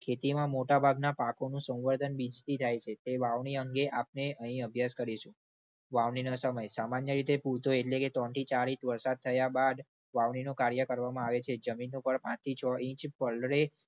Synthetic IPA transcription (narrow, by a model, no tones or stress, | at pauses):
kʰet̪imãmoʈabʱaɡnapakonũsə̃w̃ʋəɾd̪ʱənbid͡ʒt̪it̪ʰajt͡ʃʰet̪eʋaʋniəŋɡeʔap̚neəɦĩəbʱjaskəɾiʃũ | ʋaʋninosəməjsamanjəɾit̪epuɾt̪oeʈleket̪ɔnt̪ʰit͡ʃaɾit̪ʋəɾsad̪̚t̪ʰəjabad̪ | ʋaʋɳinokaɾjəkəɾʋamãaʋet͡ʃʰed͡ʒəminːõpəɾpãt͡ʃt̪ʰit͡ʃʰɔĩt͡ʃpəɭɾe